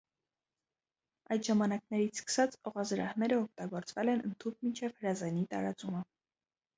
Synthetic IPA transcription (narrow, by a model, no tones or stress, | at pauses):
ɑjt̪ʒɑmɑnɑknɛɾit͡sʰskə̥sɑt͡sɔʁɑzɾɑ̰hnɛɾəɔk̚ʰt̪ɑɡɔɾt͡svɛlɛnə̰nt̪ʰup̚mint͡ʃʰɛvhəɾɑzɛnit̪ɑ̰ɾɑt͡sumə